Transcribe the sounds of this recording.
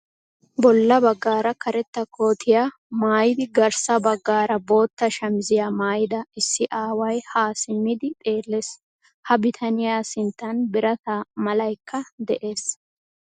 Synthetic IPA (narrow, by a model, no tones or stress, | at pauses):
bɔlːɐbɐɡːaːɾɐkʰɐɾɛt̪ːɐkʰo̞ːt̪ʰɪjaː | maːjɪd̪ɪɡɐɾsɐbɐɡːaːɾɐbo̞ːt̪ːɐʃɐmzɪjaːmaːjɪd̪ɐɪsːɪʔaːwɐjhaːsɪmːɪd̪ɪt̪ʼe̞ːlːe̞ːs | hɐbɪt̪ʰɐnɪjaːsɪnt̪ːɐnbɪɾɐt̪aːmɐlɐjkːɐd̪ɛʔe̞ːs